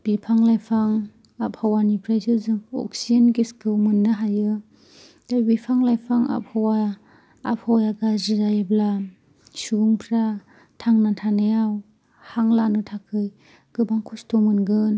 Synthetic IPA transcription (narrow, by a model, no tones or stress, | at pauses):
b̥ipʰaŋlajpʰaŋ | ap̚hawanipʰɾajzɯzɯŋɔ̰k̚sianɡeskɯwmɯnːɯɦajɯ | dabipʰaŋlajpʰaŋa̰p̚hawa̰ː | p̚hawjaɡazɯzajabla | suŋpʰɾa | tʰaŋnatʰanɯjaw | haŋlanɯtʰakʰɯj | ɡ̥ɯbaŋkʰustʰɔmɯnɡɯn